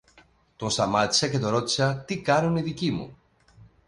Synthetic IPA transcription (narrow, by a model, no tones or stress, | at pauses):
t̪osamat͡ʃaket̪oɾot͡ʃat̪ikaɾuneðikimṵ